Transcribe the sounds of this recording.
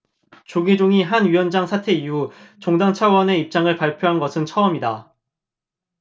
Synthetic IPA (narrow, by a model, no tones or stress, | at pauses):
t͡ɕoɡid͡ʑoŋiɦanɥiwʌnd͡ʑaŋsʰatʰe̞iɦut͡ɕoŋdaŋt͡ɕʰawʌne̞ip̚t͡ɕ͈aŋɯɭpaɭpʰjoɦanɡʌsʰɯnt͡ɕʰʌʌmida